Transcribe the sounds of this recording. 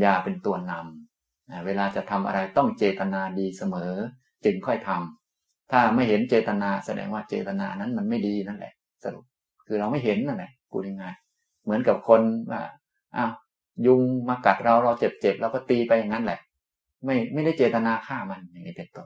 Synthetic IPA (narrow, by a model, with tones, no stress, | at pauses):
jaː˨˧˩pe˧nt̪u˧ɐna˧m | ʔaː˨˩weː˧laː˧t͡ɕa˨˩t̪ʰa˧mʔa̰˧ɾa˧jt̪ɔ˥˩ŋt͡ɕeː˨˩t̪a˧naː˧diː˧sa˧mɤː˩˦ | t͡ɕɯ˧ŋkʰɔ˥˩jt̪ʰa˧m | t̪ʰaː˥˩ma˥˩jɦe˩˦nt͡ɕeː˨˩t̪a˧naː˧sa˧dɛ̰ː˧ŋwaː˥˩t͡ɕeː˨˩t̪a˧naː˧a˧nːa˦˥nma˧nma˥˩jdiː˧na˥˩nlɛ̰˨˩ʔ | sa˧dṵ˨˩k̚ | kʰɯː˧ɾa˧wma˥˩jɦe˨˦nːa˥˩nlɛ˨˩ʔkṵ˧da˥˩˨ŋaː˧˥˩j | mɯ˦ənka˨˩p̚kʰo˧nwa̰ː˥˩ | ʔa˧˩w | ju˧ŋmaː˧ka˨˩t̪̚ɾa˧wɾɔː˧t͡ɕe˨˩p̚t͡ɕe˨˩p̚lɛː˦˩wkɔ˥˩t̪iː˧pa˧jːa˨˩ŋːa˦˥nlɛ˨˩ʔ | ma˥˩jma˥˩jda˥˩jt͡ɕeː˨˩t̪a˧naː˧kʰaː˥˩ma˧nja˧˩ŋːa˧˥˩pe˧nt̪o˧